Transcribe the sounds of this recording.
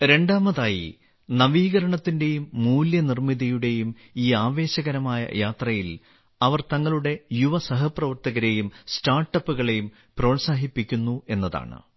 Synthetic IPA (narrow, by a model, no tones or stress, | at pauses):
ɾe̞ɳɖaːmɐðaːjḭ | nɐʋiːɣɐɾɐɳɐt̪ːinde̞jumːuːljɐnirmiðɐjuɽe̞jum | iːaːʋe̞ːɕɐɣɐɾɐmaːjɐ̰jaːt̪rɐjil | ɐʋɐrt̪ɐŋːɐɭuɽe̞juʋɐsɐɦɐprɐʋɐrt̪ɐɣɐɾe̞jumstaːrʈːɐpːuɣɐɭe̞jum | proːnsaːɦipːikʲːunːue̞nːɐða̰ːɳɨ̰